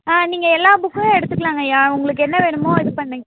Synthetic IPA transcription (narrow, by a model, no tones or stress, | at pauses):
aːniːŋɡɐɛlːaːbʊkːɯɛɽɯt̪ːɯkːɐɭaːŋɡɐjaːʊŋɡɐɭɯkːɯɛnːɐʋeːɳɯmoːɪðɯpɐɳːɐŋɡ